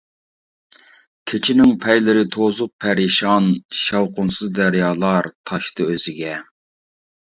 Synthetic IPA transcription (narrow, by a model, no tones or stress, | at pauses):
kʲʰet͡ʃʰinɪŋpʰɛjlɪɾɪt̪ʰozʊq̚pʰæɾɪʃɑnʃɑwqʊnsɨzd̪æɾjɑːlˠɑɾt̪ʰɑʃt̪ɨøzɪɡʲɛ